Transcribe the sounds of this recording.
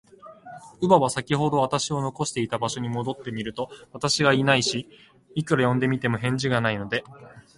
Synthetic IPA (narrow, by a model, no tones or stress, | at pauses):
ɯ̟baβasakʲiho̞d̪o̞at̪aɕio̞no̞ko̞ɕi̥t̪e̞it̪abaɕo̞ɲ̟imo̞d̪o̞t̪ːe̞mʲiɾɯ̟t̪o̞βat̪aɕiɡainaiɕi | ikɯ̟ɾajõ̞nd̪e̞mʲit̪e̞mo̞ɦẽ̞ɲ̟d͡ʑiɡanaino̞d̪e̞